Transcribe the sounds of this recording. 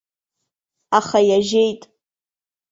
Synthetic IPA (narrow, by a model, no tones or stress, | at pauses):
aχajaʒe̞jtʼ